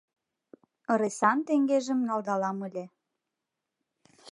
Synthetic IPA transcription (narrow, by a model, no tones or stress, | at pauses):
əɾesɑnt̪eŋɡeʒə̆mnɑlˠd̪ɑlɑməlʲe